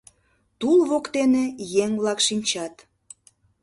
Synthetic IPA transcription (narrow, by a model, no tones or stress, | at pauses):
t̪ulβokt̪enejeŋβlɑkʃinʲt͡ɕɑt̪